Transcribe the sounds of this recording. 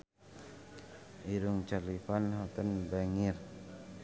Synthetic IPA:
ʔiɾuŋt͡ʃalifanɦɔt̪ənbaŋir

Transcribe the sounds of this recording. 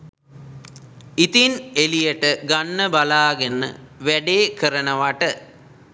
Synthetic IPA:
it̪inelijəʈəɡanːəbalaːɡenːə̰ʋæɖeːkəɾənəʋaʈə

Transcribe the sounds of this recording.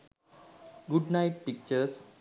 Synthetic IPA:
ɡuɖnaɪʈ̚pik̚t͡ʃəs

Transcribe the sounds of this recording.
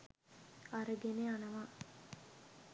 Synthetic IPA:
aɾəɡeneanəʋa

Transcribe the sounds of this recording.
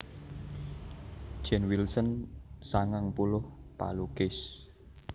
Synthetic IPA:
d̥ʒ̥ɛnwilsənsaŋaŋpulʊhpa̰lukɪs

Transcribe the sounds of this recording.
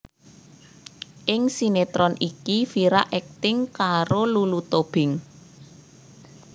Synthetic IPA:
ʔɪŋsinet̪ɾɔnʔikifiɾa̰ʔɛk̚t̪ɪŋkaɾolulut̪ob̥ɪ̤ŋ

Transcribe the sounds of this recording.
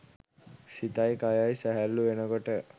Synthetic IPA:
sit̪ajkajajsæɦælːuʋenəɡoʈə

